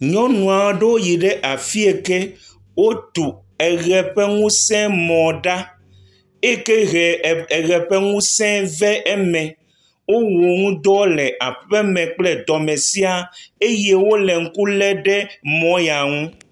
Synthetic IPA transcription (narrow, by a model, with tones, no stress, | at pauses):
ɲɔ̃˦nũ˨a˨wo˦ɖe˦wo˦ji˨ɖe˦ʔa˨fi˦e˨ke˦ | wo˦t̪u˨ | ɛ˨ɣɛ˨ɸe˦ŋũ˦sɛ̃˦mɔ̃˨ɖa˦ | e˦ke˦ɣɛ˨ɣɛ˨ɸe˦ŋũ˦sɛ̃˦vɛ˦ʔɛ˦mɛ̃˨ | wo˦wo˨ŋũ˦d̪ɔ˦lɛ˨ʔa˨ɸe˦mɛ̃˨k͡plɛ˦d̪ɔ˨mɛ̃˨si˦a˨e˦je˦wo˦le˨ŋ̩˦ku˦lɛ˦ɖe˦mɔ̃˦ja˨ŋũ˦